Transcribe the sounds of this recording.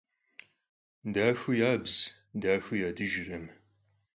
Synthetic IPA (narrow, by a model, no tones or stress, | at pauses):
daːxʷʊjaːbzdaːxʷɨjaːdɨʒɪrɐm